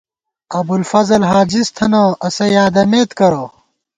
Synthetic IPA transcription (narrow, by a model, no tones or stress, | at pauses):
ɐbulfɐzɐlɦaːd͡ʑist̪ʰɐnoːʔɐsɐjaːd̪ɐmeːt̪kɐɾoː